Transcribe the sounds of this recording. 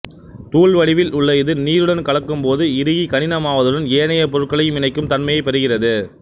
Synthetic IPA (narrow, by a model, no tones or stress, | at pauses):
t̪uːɭʋɐɽɪʋɪlʊɭːɐɪðɯniːɾɯɽɐnkɐɭɐkːɯmpoːðɯɪɾɯɣikɐnɪnɐmaːʋɐðɯɽɐneːnɐjɐpɔɾɯʈ̚kɐɭɐjɯmɪnɐɪkːɯmt̪ɐɳmɐjɐɪpːɐɾɯɣɪrɐðɯ